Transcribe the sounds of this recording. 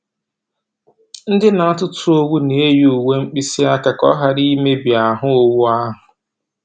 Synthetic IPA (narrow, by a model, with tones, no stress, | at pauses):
n̩˦dɪ˦na˨a˦tʊ˦tʊ˦o˦wu˦ne˨e˦ju˦˨u˨we˦ŋ͡m̩˦k͡pi˦si˦a˦ka˨kɔ̰˦ɦa˨ɾi˦me˦bja˨ɦʊ˦o˦wu˦a˦ɦʊ˨